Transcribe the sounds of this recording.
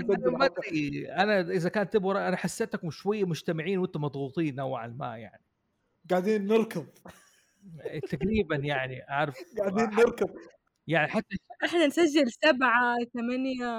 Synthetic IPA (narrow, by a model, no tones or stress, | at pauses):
aamad̪iʔanaʔɪzakaːnt̪ːɪbwɾˤɑʔanaħasːeːt̪kʊmʃwajːamʊd͡ʒt̪amɪʕiːnwɪnt̪ʊmɑd̪ˤɣuːt̪ˤiːnʔawʕa̰lma̰ːʔja̰ʕni | ɡaʕd̪iːnːɪɾˤkɪðˤ | t̪aɡɾiːbanjaʕniʔaʕɾˤɑfɡaʕd̪iːnːɪɾˤkɨðˤ | jaʕniħat̪ːaʔɪħnansad͡ʒːɪlsabʕat̪amanja